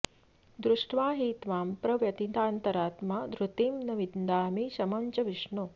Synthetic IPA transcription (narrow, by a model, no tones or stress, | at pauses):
d̪ɾuʂʈʋaːɦiːt̪ʋaːmpɾɐʋjɐt̪it̪aːnt̪ɐɾaːt̪mad̪ɾut̪iːmnɐʋid̪nd̪aːmiʃɐmɐɲt͡ʃɐʋiʂɳu